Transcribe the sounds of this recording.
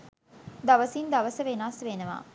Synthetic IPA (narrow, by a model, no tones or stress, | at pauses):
d̪aʋəsind̪aʋəsəʋenaːsʋenəʋa̰ː